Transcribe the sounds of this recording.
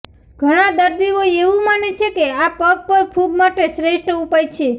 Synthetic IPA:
ɡʱəɽ̃ad̪əɾd̪ioeʋũmanet͡ʃʰekeapəɡ̚pəɾpʰuɡmaʈeʃɾeʃʈupajt͡ʃʰe

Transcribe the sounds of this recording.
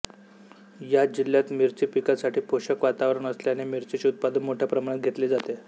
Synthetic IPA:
jad͡ʑiljat̪miɾt͡sipikasaʈʰiːpoɕəkʋat̪aʋɾəɳ̃əsljanemiɾt͡ɕit͡ɕːut̪̚pad̪ənmoʈʰjapɾəmaɽat̪̚ɡʱet̪leːd͡zat̪e

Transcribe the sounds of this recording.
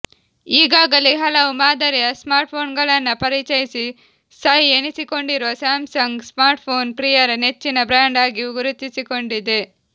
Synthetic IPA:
iːɡaːɡɐliɦɐlɐwumaːd̪ɐɾijɐsmaːɾʈ̚pʰo̞ːnɡɐɭɐnːɐpɐɾit͡ʃɐjisi | saːjienisiko̞ɳɖiɾosaːmsɐŋɡsmaːɾʈ̚pʰo̞ːnpɾijɐɾne̞t͡ʃːinɐbɾaːɳɖaːɡiuɡuɾut̪ːisiko̞ɳɖid̪e

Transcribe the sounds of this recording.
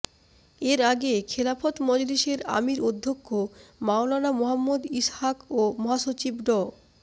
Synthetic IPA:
eɾaɡekʰelafot̪mɔd͡ʑoliʃeɾa̰miɾod̪ʱːokʰːomaolanamoɦamːod̪ishakomɔɦaʃot͡ɕibɖɔ

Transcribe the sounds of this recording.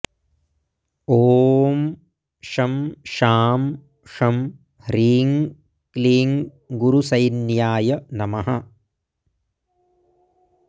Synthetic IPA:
oːm | ʂɐmʃaːm | ʂɐm | hɾiːŋ | kliːŋ | ɡuɾusɐjnjaːjɐnɐmɐɦɐ

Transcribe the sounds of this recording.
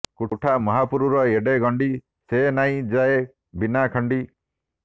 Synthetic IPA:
kuʈʰamɔɦapuɾuɾɔeɖeɡɔɳɖi | senaĩd͡ʒae | binakʰɔɳɖi

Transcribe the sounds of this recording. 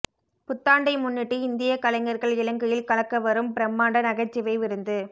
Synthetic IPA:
pʊt̪ːaːɳɖɐɪmʊnːɪʈːɯɪnd̪ɪjɐkɐlɐŋɡɐɾɣɐɭɪlɐŋɡɯjɪlkɐɭɐkːɐʋɐɾɯmpɪɾɐmːaːɳɖɐnɐɣɐt͡ʃːɪʋɐɪʋɪɾɯnd̪ɯ

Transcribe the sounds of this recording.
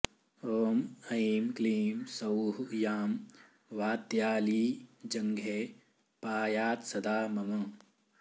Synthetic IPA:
oːmɐiːmkliːmsɐwɦujaːm | ʋaːt̪jaːliːd͡ʒɐŋɡʱe | paːjaːt̪sɐd̪aːmɐmɐ̃

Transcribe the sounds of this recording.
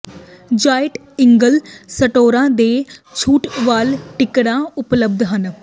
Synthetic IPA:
d͡ʒaːɪʈ | ɪŋɡəlsəʈoːɾãːd̪eːt͡ʃʰuːʈʋaːlʈɪkɽãːʊpləb̚d̪ɦən

